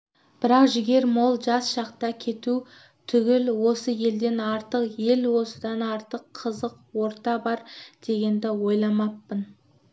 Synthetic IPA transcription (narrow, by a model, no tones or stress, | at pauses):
b̥ɪɾɑqʒɪɡʲe̞ɾmolˠʒɑsʃɑqt̪ɑkʲʰe̞t̪u | t̪ʰʏɡʲɪlwo̞səje̞ld̪e̞nɑɾt̪əqje̞lwo̞səd̪ɑnɑɾt̪əqʰːəzəqwo̞ɾt̪ɑbɑɾd̪̥e̞ɡʲe̞nd̪ɪwo̞jlˠɑmɑpːən